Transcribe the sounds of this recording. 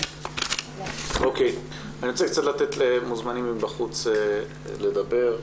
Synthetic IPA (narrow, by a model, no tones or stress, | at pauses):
ʔokej | aniʁot͡sekt͡sat̪lat̪et̪lemuzmanimimbaχut͡se | le̞d̪abe̞ʁ